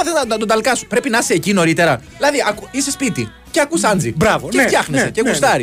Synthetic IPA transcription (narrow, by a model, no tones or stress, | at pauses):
ɐθezɐɐt̪od̪ɐlkɐsu̥pɾe̞pinɐseːcino̞ɾit̪e̞ɾɐðilɐðiʔɐkuisespit̪ḭ | ce̞ɐkusɐnd͡zibɾɐvoeft̪çɐxneseceɣust̪ɐɾi